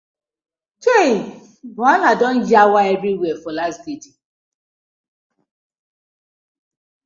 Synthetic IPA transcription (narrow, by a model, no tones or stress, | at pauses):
te | anadɔn̩d͡ʒawaebɾiwefolasdidi